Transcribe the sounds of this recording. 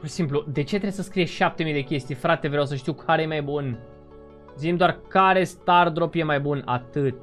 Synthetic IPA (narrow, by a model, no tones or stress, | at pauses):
puʃisimplud̪e̞t͡ʃeɾesəskɾijeʃap̚t̪e̞mijd̪e̞kʲe̞st̪ijfɾat̪e̞vɾjawsəʃt̪iwkʰaɾejemajbun | zimd̪oarkaɾe̞st̪ard̪ɾo̞pje̞majbuna̰t̪ɨt̪